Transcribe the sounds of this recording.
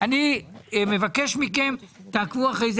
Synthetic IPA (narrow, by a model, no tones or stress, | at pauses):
anime̞vakeʃmike̞mt̪aːkvuaχejze